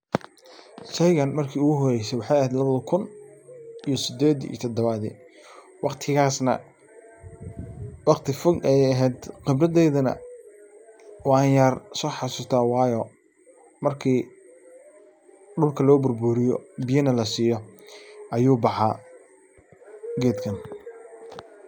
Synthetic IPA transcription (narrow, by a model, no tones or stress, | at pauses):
ʃɐjɣɐnmɐrkʰiːʊɣʊɦɔɾɛjsɛwɑħɑjɐɦɛːd̪lɐβɐðɐkʰʊn | ijɔsɪd̪ɛːd̪ḭːt̪ʰɐd̪ɐβaðḭ | wɑqt̪ʰɪɣaːsnɐ̰ | wɑqt̪ʰɪfɔɡɛjɐɦɛːd̪qɪbrɐd̪ɛjðɐnɐ̰ | wɑɐjaːrsɔːħɑsuːst̪ʰaːwɑːjɔː | mɐrkʰiː | ɖʊlkʰɐlɔːbʊrbuːɾɪjɔ̰bɪjɐnɐlɐsiːjɔʔɐjuːbɑħaː | ɡɛːd̪kʰɐn